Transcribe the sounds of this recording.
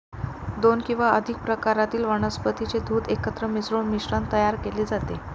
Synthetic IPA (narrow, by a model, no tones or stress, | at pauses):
d̪onkĩw̃ʋaəd̪ʱik̚pɾəkaɾat̪iːlʋəɳ̃əspət̪it͡sed̪ʱuːd̪ekət̪ɾəmisɾuɳmiɕɾant̪əjaɾkeleːd͡zat̪e